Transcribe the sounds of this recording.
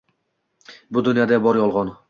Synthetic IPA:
bʊd̪ʊnjɒd̪abɒɾjɒlˠʁɒn

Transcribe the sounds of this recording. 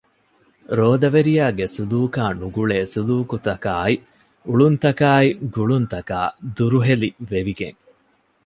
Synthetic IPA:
ɾoːd̪ɐʋeɾijaːɡesuluːkaːnuɡuɭeːsuluːkut̪ɐkaːi | uɭunt̪ɐkaːiɡuɭunt̪ɐka̰ːd̪uɾuɦeliʋeʋiɡḛŋ

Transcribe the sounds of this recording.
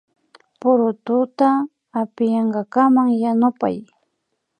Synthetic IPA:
pʊɾʊt̪ʊt̪aː | pɪjɑɴɢɑkamaŋjanʊpa̰j

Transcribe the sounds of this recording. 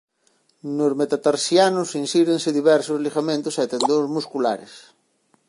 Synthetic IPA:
nozmet̪at̪aɾsjanʊsĩnsiɾẽnsɪðiβɛɾsʊzlixamẽnt̪ʊsat̪end̪ozmuskula̰ɾɪ̰s

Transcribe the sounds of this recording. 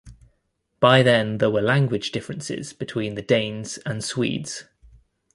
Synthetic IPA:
b̥aɪðə̃nðəwəlãŋɡwɪd͡ʒdɪfɹə̃nsɪ̰z̥b̥ɪtʰw̥ĩːnðədẽɪ̃nz̥ə̃nswḭːdz̥

